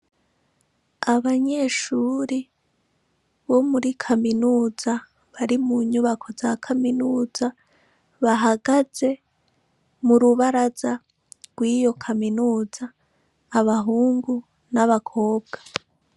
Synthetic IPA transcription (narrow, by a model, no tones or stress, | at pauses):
aβaɲe̞ʃuːɾi | βo̞muɾikʰaminuːza | βaɾimuɲuβakʰo̞zakʰaminuːz̥a | βaɦaɡaze̞ | muɾuβaɾaza | ɡ̥wiːjo̞kʰaminuːzaː | βaɦuːŋɡu | naβakʰo̞ːb̚ɡ̥a